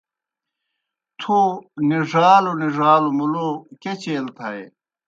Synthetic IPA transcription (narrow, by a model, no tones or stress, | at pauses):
t̪ʰuniʐaːloniʐaːlumuloket͡ɕeːlt̪ʰɐe